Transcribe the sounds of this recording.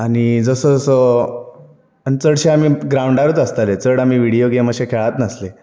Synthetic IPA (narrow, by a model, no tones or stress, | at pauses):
aɽ̃id͡zəsəd͡zəsə | anit͡səɽɕeamiːɡɾauɳɖaɾət͡s̪əst̪alet͡səɽamiːʋiɽijoɡeməɕekʰeɭat̪nəsle